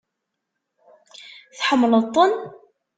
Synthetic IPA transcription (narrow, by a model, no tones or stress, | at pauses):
θħəmːlət̪ˤːən